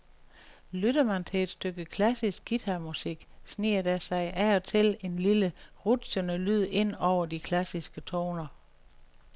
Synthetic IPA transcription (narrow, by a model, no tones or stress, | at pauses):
lydɐmænt͡sʰe̝ed̥sd̥øɡ̥əkʰlæsisɡ̥ːit͡sʰæmusiɡ̥sniːɐd̥æsɑ̈ɪʔæɒt͡sʰe̝le̝nliləʁud̥sonəlyð̰ˠe̝n̰ɒʊ̰ɐd̥ikʰlæsisɡ̥ət͡sʰɔ̰ːnɐ